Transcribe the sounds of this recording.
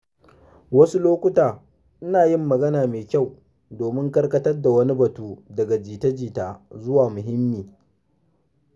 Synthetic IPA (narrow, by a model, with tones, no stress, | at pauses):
wɐ˦su˦loː˦kʷʊ˦taː˨ | ʔɪ˦naː˨jɪ˦mːɐ˨ɡɐ˦naː˨meː˨kʲa˦˨w | doː˨mɪ˦ŋkɐ˦rkɐ˦tɐ˦rda˨wɐ˦ni˦bɐ˨tuː˦dɐ˨ɡa˨d͡ʒiː˨tɐ˦d͡ʒiː˨taː˨zʊ˦waː˨mʊ˨ɦɪ˦mːiː˨